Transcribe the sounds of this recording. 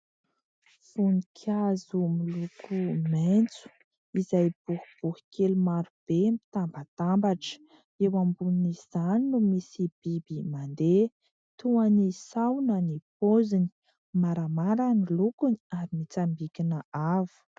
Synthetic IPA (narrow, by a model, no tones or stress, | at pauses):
funikʰazumilukʰument͡su̥ | izajb̥uhub̥uhi̥kelumaɾub̥empi̥t̪ambat̪ambaʈ͡ʂə̥ | ewambuniniz̥aninumisib̥ibimand̪e | t̪uanisawnənipozini̥ | maɾamaɾanilukuniaɾimit͡sambikʲinəavu̥